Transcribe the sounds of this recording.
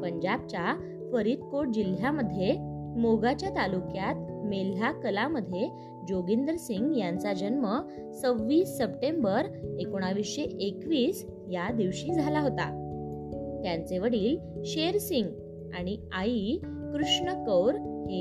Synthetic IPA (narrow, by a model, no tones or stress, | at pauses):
pəɲd͡ʑab̚t͡ɕja | fəɾiːt̪koʈ̚d͡ʑil̤jaməd̪ʱjemoɡat͡ɕjat̪alukjat̪mel̤akəlaməd̪ʱːje | d͡ʑoɡind̪ɾəsiŋɡjant͡sad͡ʑənmə | t͡səʋːiːsːəpʈembəɾekoɽ̃aʋiseʔekʋiːs | jad̪iʋɕiːd͡zʱalaɦot̪a̰ | t̪jãnt͡seʋəɽiːlɕeɾsiŋɡ | aɽ̃iai | kɾuʂɳəkəwɾhe